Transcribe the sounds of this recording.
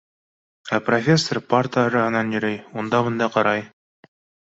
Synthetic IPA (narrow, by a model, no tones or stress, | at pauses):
æprofʲe̞sːorpart̪ɾɑɦɤ̆nɑnjɵ̆ɾɘjund̪ɑβɤ̆nd̪ɑqɑɾɑj